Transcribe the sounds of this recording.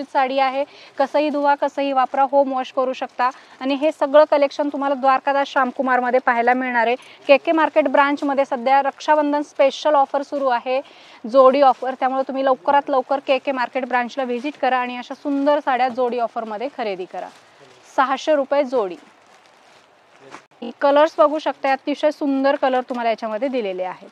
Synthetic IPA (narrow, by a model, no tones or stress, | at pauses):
ut̪saɽiːaɦekəsəːɦiːd̪ʱuʋakəsəːɦiːʋapɾaɦomoɕkəɾuːɕəkt̪aːɽ̃iɦesəɡɭəːkəlekʂənt̪um̤alad̪ʋaɾkad̪aɕamkumaɾməd̪ʱːjepaɦilamiɭɳ̃aɾekekemaɾkeʈbɾãɲt͡ɕməd̪ʱːjesəd̪ʱjaɾəkʂabənd̪ʱənspeɕəlɔfəɾsuɾuːaɦe | d͡zoɽiːɔfəɾt̪jamuɭet̪um̤iːləwkəɾat̪ləwkəɾkekemaɾkeʈbɾãɲt͡ɕlaʋid͡ʑiʈkəɾaːɽ̃iəɕasund̪əɾsaɽjad͡zoɽiːɔfəɾməd̪ʱːjekʰəɾed̪iːkəɾa̰ | səɦaɕeɾupjed͡zoɽḭː | ikələɾsbəɡʱuːɕək̚t̪ajat̪ːiɕəsund̪əɾkələɾt̪um̤alajat͡ɕjaməd̪ʱːjed̪ileleaɦet̪